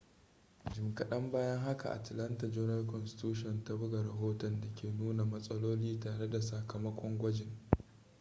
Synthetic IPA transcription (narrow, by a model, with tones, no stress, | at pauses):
d͡ʒɪ˨mkɐ˨ɗɐ˦mbaː˦jɐ˦ŋɦa˦ka̰˨ʔa̰˨tlɐ˦nta˨d͡ʒɔː˦nɐ˦lkɔ˨nsɪ̥˦tuː˦ʃ̬ɔ˨nta˦bʊ˦ɡa˨ɾɐ˨ɦoː˦tɔ˨nda˨kʲeː˨nuː˦na˨mɐ˦sʼɐ˦loː˦liː˦taː˨ɽe˦da˨sɐ˨kɐ˨mɐ˦kʷɔ˦ŋɡʷɐ˦d͡ʒɪ˨ŋ